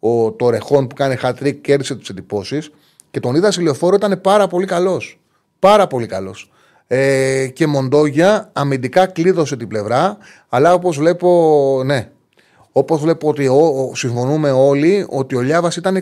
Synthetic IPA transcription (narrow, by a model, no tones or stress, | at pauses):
ot̪o̞ɾe̞xo̞npukɐnexɐt̪ɾik̚ce̞ɾðiset̪i̥sed̪ipo̞sis | ce̞t̪o̞niðɐsilio̞fo̞ɾoit̪ɐne̞pɐɾɐpo̞likɐlo̞s | pɐɾɐpo̞likɐlo̞s | ece̞mo̞nd̪o̞ʝɐːmind̪ikɐkliðo̞s̬e̞t̪ible̞vɾɐː | lɐo̞po̞zvle̞po̞ne̞ | o̞po̞zvle̞poot̪iosiɱfo̞nume̞o̞lio̞̰t̪io̞ʎɐvɐsit̪ɐne